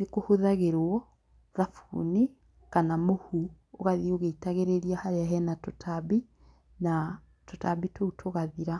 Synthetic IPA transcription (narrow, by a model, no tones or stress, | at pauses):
nekohoðaɣeɾwɔ | ðafṵni | kanamohu | oɣaðioɣeitaɣeɾeɾiahaɾeaɦɛnatotʰaβi | na | totaβitoutʰoɣaðiɾa